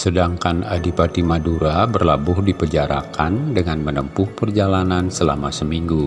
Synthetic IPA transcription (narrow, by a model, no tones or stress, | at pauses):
sədaŋkanadipat̪imaduɾabərlabʊhdipəd͡ʒaɾa̰kandəŋanmənəmpʊhpərd͡ʒalanansəla̰masəmiŋɡu